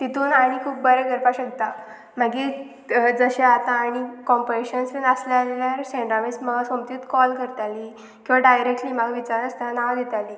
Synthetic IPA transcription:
t̪it̪uːnaɽ̃ikʰuːp̚bəɾeɡəɾpaɕəɡt̪a | m̤aɡiː | d͡zəɕeat̪aːɽ̃ikɔmpɾeɕənsənəsljaleljaɾsẽɳɖɾamesməɡsomt̪it̪kɔlkəɾt̪aliː | kĩw̃ʋaɖajɾek̚ʈliːm̤əɡʋit͡ɕaɾəst̪aanaʋd̪ʱet̪aliː

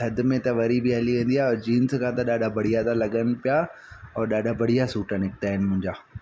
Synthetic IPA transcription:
ɐd̪mẽt̪ɐʋɐɾibɪɦɐliʋẽːn̆d̪iaːɦɔːɾd͡ʑiːnskʰãt̪ɐɗaːɗʱabɐɽijat̪ãlɐɠənɪ̆pija | ɔːɾɗaːɖʱabɐɽ̤ijasuːʈənɪk̚t̪aːɦɪnɪ̆mʊ̃ɦɪ̃ɲd͡ʑaː

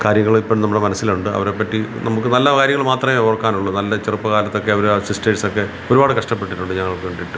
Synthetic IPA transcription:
kaːɾjɐŋːɐɭipːoːmnɐmːuɽemɐnɐsːiluɳɖɨɐ̰ʋɐɾepːɐʈːinɐmukːɨnɐlːɐkaːɾjɐŋːɐɭmaːt̪rɐmeporɐkːaːnuɭːunɐlːɐt͡ɕirupːɐkaːlɐt̪ːo̞kːe̞ɐʋɐɾuɐsisʈeːʈso̞kːe̞ | o̞ɾubaːɽɨkɐʂʈɐp̬ːe̞ʈːiʈːuɳɖɨɲɐŋːɐɭokːeʋeɳɖiʈːu

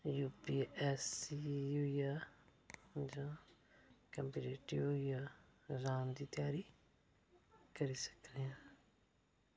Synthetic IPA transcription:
juːpiːʔɛːsjujaː | d͡ʒãː | kəmpiʈeːʈiʊjjaːzaːmd̪iːt̪ɪjaːɾiː | kəɾiːsə̥kd̪eãː

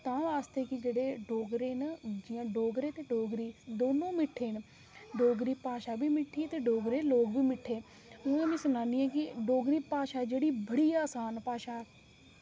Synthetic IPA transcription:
t̪ãːʋaːst̪eːkɪd͡ʒeːɽeːɖoːɡɾeːnd͡ʒɪːãːɖoːɡɾeːt̪eːɖoːɡɾiːd̪oːnõːmɪʈʰːeːn | ɖoːɡɾiːpaːʃaːbiːmɪʈʰːiːt̪eːɖoːɡɾeːloːɡbiːmɪʈʰːeː | ʊ̃mĩːsʊnãːnd̪iːɛ̃ːkɪɖoːɡɾiːpaːʃaːd͡ʒeːɽiːbəɽiːaːsaːnpaːʃaː

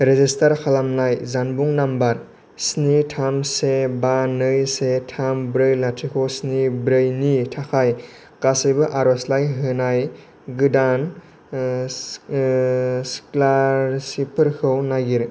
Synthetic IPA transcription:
ɾezistaɾkʰalamnajzanbuŋnambaɾ | snitʰamsebanɯjsetʰambɾɯjlatʰikʰɯwsnibɾɯjnitʰakʰaj | kasɯjbɯʔaɾɔslajɦɯnaj | ɡɯdan | sklaɾsipʰɯɾkʰɯwnaɡiɾ

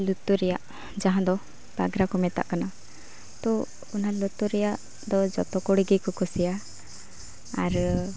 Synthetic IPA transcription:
lut̪uɾɛjaʔ | d͡ʒaɦãd̪ɔ | baɡɾakɔmɛt̪a̰ʔkana | t̪ɔ | unalɔt̪uɾɛjaʔ | d̪ɔd͡ʒɔt̪ɔkɔɽiɡikɔkɔsija | aɾ

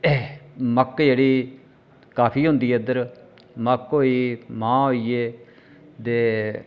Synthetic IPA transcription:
eːməkd͡ʒeːɽiː | kaːpʰiːɦʊ̃nd̪iːəd̪əɾ | məkɦoːiːmãːɦoːieː | d̪eː

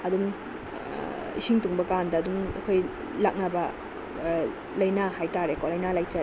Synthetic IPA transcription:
ɐdum | ḭsiŋtuŋbɐkandɐːdumɐ̰kʰoj | lak̚nabɐ | lɐjnahajtaɾekɔlɐjnalajtɐ

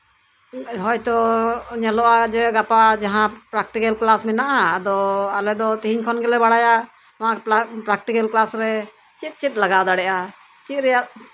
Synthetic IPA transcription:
ɦɔjt̪ɔɲalɔʔad͡ʒɛɡapad͡ʒaɦãpɾak̚ʈikɛlklasmɛnaʔad̪ɔalɛd̪ɔt̪iɦiɲkʰɔnɡɛlɛbaɽaja | maapɾak̚ʈikɛlklasɾɛ | t͡ʃit̪̚ˀt͡ʃɛt̪̚ˀlaɡad̪aɽɛʔa | t͡ʃit̪̚ɾɛjaʔ

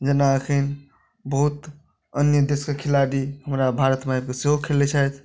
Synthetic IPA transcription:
d͡ʒənaəkʰən | bəɦut̪ | ənjəd̪eskekʰilaɽiɦəmɾabʱaɾət̪mab̚keseɦokʰelet͡ʃʰajt̪ʰ

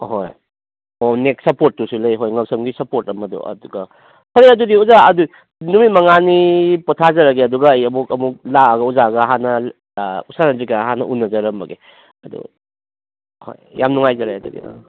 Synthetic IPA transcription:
hoj | onek̚sɐpoɾt̚ːusulɐjɦojŋɐwsɐmɡisɐpoɾtɐmɐdɔ̰ʔɐ̰duɡɐ | pʰɐɾeɐdudiuzaɐdu | numimɐŋanipɔtʰazɐɾɐɡeɐduɡɐːjɐmukɐmulaɐɡɐuzaɡɐɦanɐ | usanɐzikɐɦanɐ̰ʔunːɐzɐɾɐmbɐɡe | ɐdṵ | ho̰jjamnuŋajzɐɾaɐdṵdḭa̰

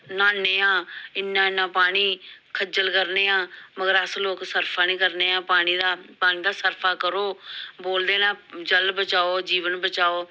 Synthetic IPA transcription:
naːnːeːãːɪnːãːɪnːãːpaːɽ̃iːkʰəd͡ʒəlkəɾneːãːməɡəɾəsloːksəɾpʰaːnĩːkəɾneːãːpaːɽ̃iːd̪aːpaːniːd̪aːsəɾpʰaːkəɾoːboːld̪eːnãːd͡ʒəlbət͡ʃaːoːd͡ʒiːʋənbət͡ʃaːoː

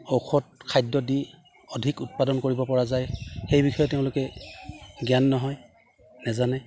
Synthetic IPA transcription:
owxʰɔtkʰajdːɔdi | ɔdʱikut̚padɔnkoɹibɔpɔɹazajxejbixɔjɔtːɛʊ̃lʊkɛ | ɡijanːɔɦɔj | nɛzanɛ

